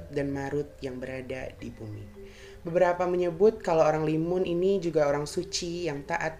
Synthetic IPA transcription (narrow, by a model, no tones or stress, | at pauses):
t̪̚danmaɾʊt̪̚jaŋbəɾadadibumḭ | bəbəɾapaməɲəbʊt̪̚kalowoɾaŋlimʊninid͡ʒuɡaoɾaŋsut͡ʃijaŋt̪aʔat̪̚